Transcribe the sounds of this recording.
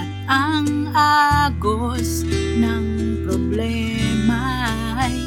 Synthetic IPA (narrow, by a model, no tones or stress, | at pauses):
aŋaɡo | s | naŋ | pɾoblɛ | ma